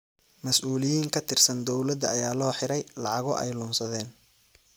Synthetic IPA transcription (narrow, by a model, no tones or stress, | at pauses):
mɐsʔuːlɪjiːŋkʰɐt̪ʰɪrsɐnd̪ɔwlɐd̪ɐɐjaːlɔːħɪɾɛjlɑʕɑɣɔ̰ʔɛ̰jlʊmsɐðɛːn